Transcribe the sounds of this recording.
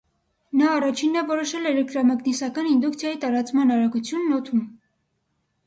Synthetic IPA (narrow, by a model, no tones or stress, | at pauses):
nɑːrɑt͡ʃʰinːɛvɔɾɔʃɛlɛlɛk̚t̪ɾɑmɑknisɑkɑnind̪ukt͡sʰjɑjit̪ɑɾɑt͡smɑnɑɾɑɡut͡sʰjunːɔt̪ʰum